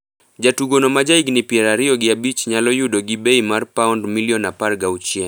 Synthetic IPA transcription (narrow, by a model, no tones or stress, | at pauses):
d͡ʒatuɡonɔmad͡ʒaiɡnɪpjɛɾaɾɪɔɡɪabit͡ʃɲalɔjudɔɡibeimarpaundmiliɔnaparɡawt͡ʃiɛ